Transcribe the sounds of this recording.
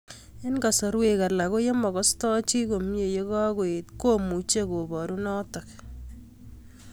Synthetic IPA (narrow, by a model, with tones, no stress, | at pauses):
ɪ˦nka˨sɔ˨ɾwe˨ka˨la˨ko˦je˦mɔ˨ɣɔ˦stɔ˦t͡ʃi˦ko˨mje˨je˦kɔ˦kwe˨tko˦mu˨t͡ʃe˦ko˨bɔ˨ɾu˦nɔ˦tɔ˨k